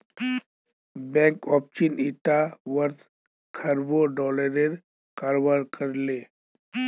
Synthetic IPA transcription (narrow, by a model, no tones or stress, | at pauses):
bɛ̃ŋkɔːpt͡ʃiniʈaʋəɾt̪ | kʰəɾboɖɔləɾeɾ | kaɾbaɾkəɾle